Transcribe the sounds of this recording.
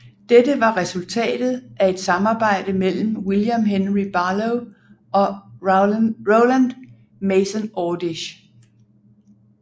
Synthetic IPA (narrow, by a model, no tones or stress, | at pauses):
d̥edəʋɑ̈ʁɛsult͡sʰɛ̰ːd̥ð̞̩ˠʔæe̝d̥sɑ̈mɑ̈ːb̥ɑ̈ɪ̰d̥əmel̰m̩wiljæmɦenʁib̥ɑloʊ | ɒ̽ | ʁoʊlænd̥ | meɪsɔnɔːd̥iɕ